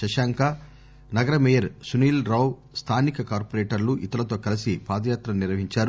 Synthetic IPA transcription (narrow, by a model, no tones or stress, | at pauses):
ʃɐʃaːŋkɐ | nɐɡɐɾɐmɛjɐɾsuniːlɾɐw | st̪ʰaːnikɐkaːɾpɐɾeːʈɐɾluʔit̪ɐlɐt̪o̞ːkɐlɐsipaːd̪ɐjaːt̪ɾɐniɾʋɐɦiɲt͡ʃaːɾu